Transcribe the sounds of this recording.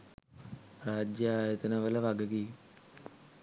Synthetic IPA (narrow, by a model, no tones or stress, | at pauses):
raːd͡ʒjɐaːjɐt̪ɐnɐʋɐlɐʋɐɡɐɡi